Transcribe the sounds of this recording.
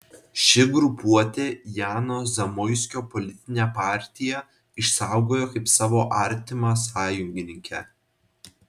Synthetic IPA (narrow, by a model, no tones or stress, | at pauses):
ʃʲɪɡɾʊpuɔt̪ʲejæːnoːzʲɐmɔɪsʲkʲoːpɔlʲɪt̪ʲɪnʲɛpɑːˑɾʲt̪ʲɪjɛ | ɪʃsɑˑʊɡoːjoːkɐɪpsɑːʋoːʔɐɾʲt̪ʲɪmɑs̬ɑːjʊŋʲɡʲɪnʲɪŋʲkʲʰɛ